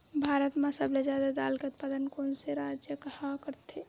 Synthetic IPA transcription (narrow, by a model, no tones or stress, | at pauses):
bʱaːɾət̪mãsəblezjaːd̪ad̪a̰ːlkeʊt̪̚paːd̪ənkoːnseɾaːd͡ʒjəkhakəɾt̪ʰe